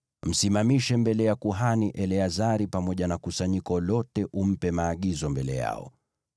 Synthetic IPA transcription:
m̩simamiʃɛmbɛlɛjakuɦaniʔɛlɛazaɾipamɔʄanakusaɲikɔlɔtɛʔum̩pɛmaːɠizɔmbɛlɛ̰ja̰ɔ̰

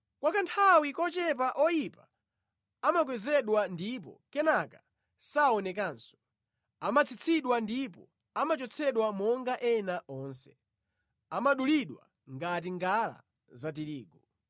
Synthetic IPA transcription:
kwakantʰawikɔt͡ʃɛp̬aʔɔjipa | amak̬wɛzɛɗwandip̬ɔ̰kɛnaka | saɔnɛk̬aːnsɔ̥ | amat͡sʰit͡sʰiɗwandipɔ | amat͡ʃɔt͡sʰɛɗwamɔŋɡaʔɛnaʔɔːnsɛ̥ | amaɗuliɗwa̰ | ŋɡat̬iŋɡala̰ | zatiɾiːɡɔ

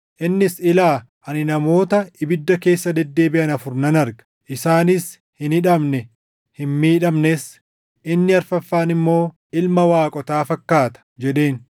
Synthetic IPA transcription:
ʔɪnːɪsɪlaː | ʔɐnɪnɐmo̞ːt̪ɐɪbɪd̪ːɐke̞ːsːɐd̪ɛd̪ːe̞ːbɪʔɐnɐfʊɾnɐnɐɾɡɐ̥ | ʔɪsaːnɪs | hɪnɪᶑɐmnɛ | hɪnmiːᶑɐmnɛs | ʔɪnːɪɐɾfɐfːaːnɪmːo̞ː | ɪlmɐwaːkʼɔt̪aːfɐkːaːt̪ɐ̥d͡ʒɛᶑe̞ːn

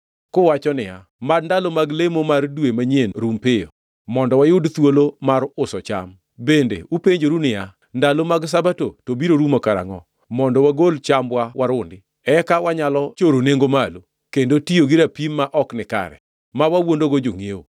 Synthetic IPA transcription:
kowat͡ʃɔnɪa | madndalomaɡlemomardwemaɲenɾumpɪjɔ̰ | mɔndɔwajʊdt̪wolomaɾʊsɔt͡ʃa̰m | bendḛupeɲd͡ʒoɾunɪja | ndalomaɡs̬abatotobiɾoɾumokaɾa̰ŋɔ | mɔndɔwaɡolt͡ʃamwawaɾʊndɪ | ɛkawaɲalɔt͡ʃoɾoneŋɡomalo | kendotioɡɪɾapimːaʔɔknɪka̰ɾɛ̰ | mawawondoɡod͡ʒoŋeo

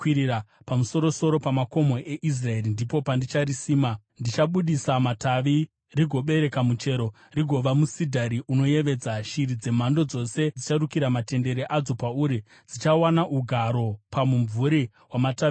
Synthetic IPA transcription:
kwiɾiɾapamuso̞ɾo̞so̞ɾo̞pamako̞mo̞ʔe̞ʔis̬rae̞rindipo̞pandit͡ʃaɾisiːma | ndit͡ʃaɓuɗisamataʋi | riɡʱo̞ɓe̞ɾe̞kamut͡ʃe̞ɾo̞ | riɡʱo̞ʋamusidʱaɾiuno̞je̞ʋe̞d͡zaʃiɾid͡ze̞m̤ando̞d͡zo̞se̞d͡zit͡ʃarukiɾamate̞nde̞ɾeʔad͡zo̞pauːɾi | d͡zit͡ʃawanaʔuɡʱaɾo̞pamuɱvuɾi | ɦwamatai

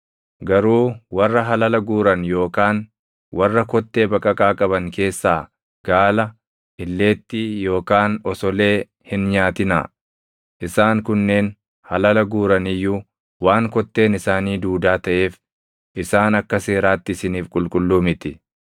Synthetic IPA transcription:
ɡɐɾuːwɐrːɐɦɐlɐlɐɡuːɾɐnjo̞ːkaːn | wɐrːɐkɔt̪ːe̞ːbɐkʼɐkʼaːkʼɐbɐŋke̞ːsːaː | ɡ̥aːlɐ | ʔɪlːe̞ːt̪ːɪjo̞ːkaːnɔsɔle̞ː | hɪnɲaːt̪ɪna̰ː | ʔɪsaːŋkʊnːe̞ːn | hɐlɐlɐɡuːɾɐnɪjːuː | waːŋkɔt̪ːe̞ːnɪsaːniːd̪uːd̪aːt̪ɐʔe̞ːf | ʔɪsaːnɐkːɐse̞ːɾaːt̪ːɪsɪniːfkʼʊlkʼʊlːuːmɪt̪ɪ

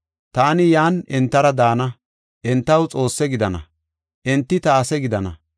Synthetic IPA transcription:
t̪aːnɪjaːnɛnt̪ːɐɾɐd̪aːnɐ | ʔɛnt̪ːɐwt͡sʼo̞ːsːɛɡɪd̪ɐnɐ̰ | ʔɛnt̪ːɪt̪ɐːsɛɡɪd̪ɐnɐ̰

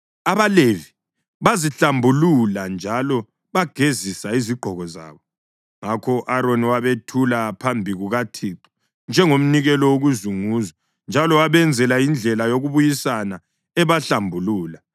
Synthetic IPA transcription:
aβalevi | βaziɬambʱululand͡ʒʱalɔ | βaɡ̥ʱezisaiziɡ͡ǃʱɔɣɔza̰ːβɔ | ŋakʰɔʔaɾoniwaβetʰulapʰambʱiɣuɣatʰiǃɔ̥ | nd͡ʒʱɛŋom̩niɣɛlɔwoɣuzuŋuːzɔ | nd͡ʒʱalɔwaβɛnd͡zʱɛlajind͡ɮʱɛlajoɣuβujisana | ɛβaɬambʱuluːla

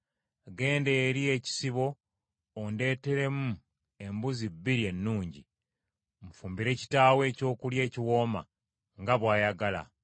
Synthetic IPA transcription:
ɡe̞ːndeːɾie̞ci̥siβo̞ː | nde̞ːte̞ɾe̞mu | e̞mbuzibːiɾie̞nːuːɲɟḭ | m̩fuːmbiɾe̞ːci̥taːwe̞ːco̞ːkulje̞ːciwo̞ːma̰ | ŋɡaβwaːjaɡala̰

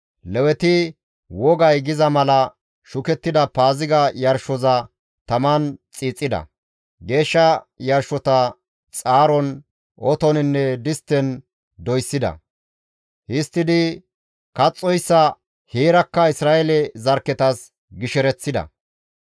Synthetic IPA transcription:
lɛwɛt̪ɪ | wɔɡɐjɡɪzɐmɐlɐ | ʃʊkɛt̪ːɪd̪ɐpaːzɪɡɐjɐɾʃɔzɐ | t̪ɐmɐnt͡sʼiːt͡sʼːɪd̪ɐ̰ | ɡe̞ːʃːɐjɐɾʃːɔt̪ɐ | t͡sʼaːɾɔn | ɔt̪ɔnɪnːɛd̪ɪst̪ːɛn | d̪ɔjsːɪd̪ɐ̰ | hɪst̪ːɪd̪ɪ | kɐt͡sʼːɔjsːɐ | heːɾɐkːɐɪsɾaːʔɛlɛzɐɾkːɛt̪ɐs | ɡɪʃɛɾɛt͡sːɪd̪ɐ̰

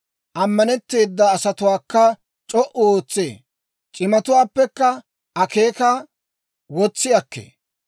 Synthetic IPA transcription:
ʔɐmːɐnɛt̪ːe̞ːd̪ːɐːsɐt̪ʊwaːkːɐ | t͡ʃʼɔʔɔoːt͡sːḛː | t͡ʃʼɪmɐt̪ʊwaːpːɛkːɐ | ɐkeːkɐ | wɔt͡sːɪjɐkːḛː

